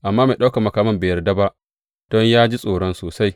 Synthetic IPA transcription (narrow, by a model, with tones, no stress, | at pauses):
ʔa˨mːaː˦me˨ɗa˦wka˨mɐ˨kaː˨˦mɐ˦mbeː˨jɐ˨rda˦ba˦ʔ | d̥ɔ˦ɲjaː˦d͡ʒi˦sʼoː˨ɽɔ˦nsoː˨sa˦j